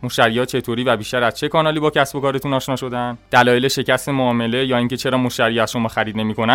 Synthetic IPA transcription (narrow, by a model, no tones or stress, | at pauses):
moʃæɾijɒːt͡ʃʰe̞t̪ʰoɾiːvæbiʃt̪æɾæz̥t͡ʃʰe̞kʰɒːnɒːliːbɒːcʰæsbo̞kɒːɾe̞t̪uːnɒːʃnɒːʃo̞d̪ænd̪̥ælɒːjele̞ʃe̞cæst̪e̞moːme̞le̞jɒːiŋce̞t͡ʃʰe̞ɾɒːmoʃtæɾijæz̥ʃo̞mɒːxæɾiːd̪ne̞miːko̞næ